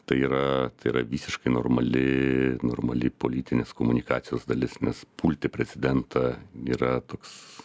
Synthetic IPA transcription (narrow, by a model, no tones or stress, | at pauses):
t̪ɐɪiːɾɐt̪ɐɪiːɾɐʋʲiːsʲɪʃkɐɪnoːrmɐlʲɪno̰ːrmɐlʲɪpoːlʲiːt̪ʲɪnʲeskoːmʊnʲɪkɑːt̪sʲɪjoːsd̪ɐlʲɪsnʲɛspuːlʲt̪ʲepʲɾʲɛt͡s̪sʲɪd̪ʲɛnt̪ʰɑiːɾɐt̪oːks